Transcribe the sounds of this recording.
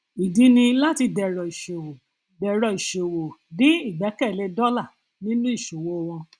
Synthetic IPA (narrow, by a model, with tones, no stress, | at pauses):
i˨di˨˦nĩ˧la˦ti˧dɛ˨ɾɔ˨i˨ʃe˨wo˨ | dɛ˨ɾɔ˨i˨ʃe˨wo˨nĩ˦i˦˨ɡ͡bɛ˨˦kɛ˦˨le˧˦dɔ˦la˦˨ | nĩ˦nũ˦i˦˨ʃo˨wo˦˧w̃ɔ̃˧